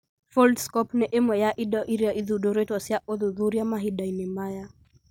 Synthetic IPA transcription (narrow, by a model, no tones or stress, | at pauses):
fɔldskɔpnɛʔemwɛjaʔiɗaʔiɾiaʔiðuɗɔɾɛtasjaʔɔðuðuɾiamaɦiɗainimaja